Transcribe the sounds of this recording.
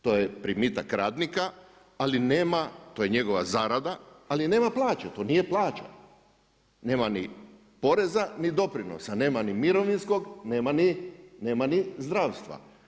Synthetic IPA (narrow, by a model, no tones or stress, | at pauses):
t̪ojepɾimit̪akɾaːd̪nika | alineːmat̪o̞jeɲe̞ɡo̞ʋa̰zaːɾad̪aaline̞ːmaplˠaːt͡ʃet̪o̞ːnijeplˠaːt͡ʃa̰ | ne̞ːmani | po̞ɾe̞zanid̪o̞pɾino̰sane̞ːmanimiɾo̞ʋinsko̞ɡne̞ːmanine̞ːmanizd̪ɾaːʋst̪ʋa̰